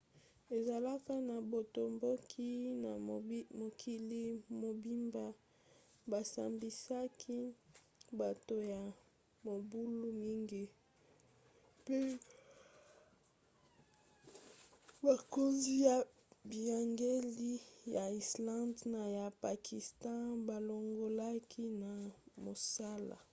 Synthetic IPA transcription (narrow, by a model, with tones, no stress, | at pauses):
e˨za˨la˦fa˦na˨bo˨to˨mbo˦kʰi˦na˨˦mo˨kʰi˦li˦mo˨bi˦mba˦ | ba˨sa̰˨mbi˨sa˦kʰi˦ | ba˨to˨ja˨ | mo˨bu˦lu˦mi˦ŋɡi˦ | pe˦ | ba˨ko˦nzi˦ja˨ | bi˨a˨ŋɡe˦li˦ja˨i˨slã˦ndna˨ja˨pa˨kʰi˨stɑ̃˦ba˨lo˨ŋɡo˨la˦kʰi˦na˨mo˨sa˦la̰˨